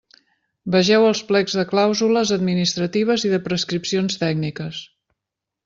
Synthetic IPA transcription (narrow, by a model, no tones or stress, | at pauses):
bəʒɛwəlˠsplɛɡzðəklawzuləzəd̪minist̪ɾət̪iβ̞əziðəpɾəskɾipsionst̪ɛɡnikəs